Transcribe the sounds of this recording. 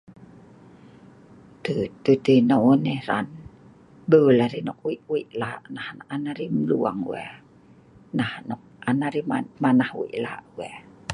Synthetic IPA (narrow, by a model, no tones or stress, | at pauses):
t̪ət̪ət̪ənɔnɛhɾan | bəlaɾinɔk̚wiʔwiʔlaʔnahnaʔanaɾimlua̰ŋwɛ̰ | nahnɔk̚anaɾimamanahwḭʔla̰ʔwɛ